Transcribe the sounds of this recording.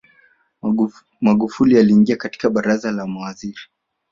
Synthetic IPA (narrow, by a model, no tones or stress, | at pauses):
maɠufulialiːŋɡiakati̥kaɓaɾazalamawaziɾi